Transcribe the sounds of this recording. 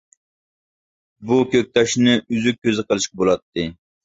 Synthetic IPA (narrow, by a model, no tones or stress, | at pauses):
bukʲøk̚ʲt̪ʰɑʃnɨyzyk̚ʲʰːøzɨqəlˠɨʃqɑbolˠɑt̪ʰːɨ